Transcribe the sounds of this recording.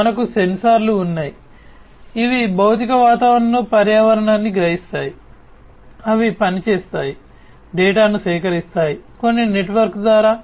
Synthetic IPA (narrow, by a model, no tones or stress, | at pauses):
ɐnɐkuse̞nsaːɾluːnːaːji | iʋibɐwt̪ikɐʋaːt̪aːʋɾɐɳɐloːpɐɾjaːʋɐɾɐɳaːnːiɡɾɐɦist̪aːji | ɐʋipɐnit͡ʃeːst̪aːji | ɖɛːʈaːnusɛːkɐɾist̪aːjiko̞nːine̞ʈʋɐɾkd̪ʋaːɾaː